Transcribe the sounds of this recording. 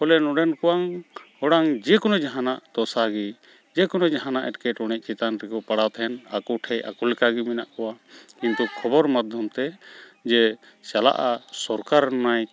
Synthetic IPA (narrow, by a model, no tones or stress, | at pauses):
hɔlɛnɔɖɛnkɔwaŋhɔɽaŋd͡ʒɛkɔnɔd͡ʒaɦanaʔd̪̥ɔsaɡi | d͡ʒɛkɔnɔd͡ʒaɦanaʔɛʈkɛʈɔɽ̃ɛc̚ˀt͡ʃit̪anɾɛkɔpaɽawt̪ʰɛna̰kɔʈʰɛjʔa̰kulɛkaɡimɛna̰ʔkɔwakint̪ukʰɔbɔɾmad̪ʱjɔmt̪ɛd͡ʒɛ | sala̰ʔasɔɾkaɾnɔnaj